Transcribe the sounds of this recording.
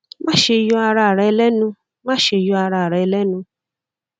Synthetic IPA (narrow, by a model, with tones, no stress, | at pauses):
mã˦˨ʃe˧jɔ˧a˧ɾa˧˨ɾɛ˧ɛ˧lɛ˦nũ˧ | mã˦˨ʃe˧jɔ˧a˧ɾa˧˨ɾɛ˨ɛ˧lɛ˦nũ˧